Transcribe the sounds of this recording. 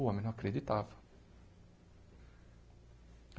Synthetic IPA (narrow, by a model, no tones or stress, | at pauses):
uːɐmɪnɐkːɾɛd̪it̪aːvɐ̥